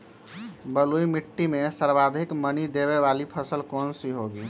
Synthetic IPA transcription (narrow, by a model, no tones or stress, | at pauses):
bəlujmiʈːimesəɾbad̪ʱikmənid̪eβeβalipʰəsəlkonsiɦoɡi